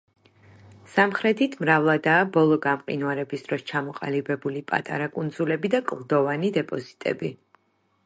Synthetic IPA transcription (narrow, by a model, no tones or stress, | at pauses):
samχɾɛt̪ʰit̪ʰmɾavlˠad̪aːbɔlˠɔɡamqʼḭnwaɾɛbisd̪̥ɾɔst͡ʃʰamɔqʼa̰libɛbulipʼa̰t̪ʼa̰ɾakʼund̪zulɛbid̪akʼlˠd̪ɔvanid̪ɛpʼɔzit̪ʼɛ̰bi